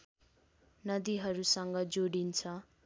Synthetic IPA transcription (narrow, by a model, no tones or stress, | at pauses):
nʌd̪iɦʌɾusʌŋɡʌd͡zoɽint͡sʰʌ